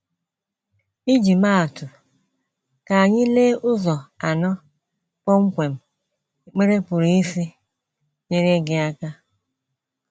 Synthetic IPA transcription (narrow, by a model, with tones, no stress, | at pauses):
i˦d͡ʒi˨ma˦a˨tʊ˨ | ka˨a˨ɲɪ˦leː˦ʔʊ˦zɔ˨a˨nɔ˦ | k͡pɔ˦ŋ͡m̩˦kʷe˨m̩˨ | k͡pe˦ɾe˦pʊ˨ɾi˨i˦si˦ | ɲe˦ɾe˦ɡɪ˨a˦ka˦